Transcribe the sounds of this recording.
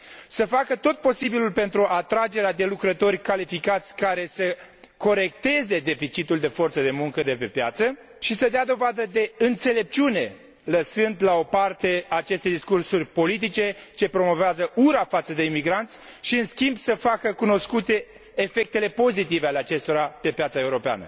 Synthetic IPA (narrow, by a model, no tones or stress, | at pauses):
səfakət̪o̞t̪̚po̞sibilulpe̞nt̪ɾuʔat̪ɾad͡ʒe̞ɾead̪e̞lukɾət̪o̞rʲkalifikat̪sʲkaɾe̞sə | ko̞ɾe̞k̚t̪e̞ze̞d̪e̞fit͡ʃit̪uld̪e̞fo̞rt̪səd̪e̞muŋkəd̪e̞pe̞pja̰t̪sə | ʃisəd̪ead̪o̞vad̪əd̪e̞ɨnt̪se̞le̞p̚t͡ʃiune̞ | ləsɨnd̪lao̞part̪e̞aːt͡ʃe̞st̪ed̪iskursurʲpo̞lit̪̬it͡ʃe̞t͡ʃe̞pɾo̞mo̞veazəʔuɾafat̪səd̪e̞imiɡɾant̪sʲʃiɨnskʲimbsəfakəkuno̞skut̪e̞ː | fe̞k̚t̪e̞le̞po̞zit̪iveale̞at͡ʃe̞st̪o̞ɾape̞pjat̪saeuɾo̞pea̰nə̰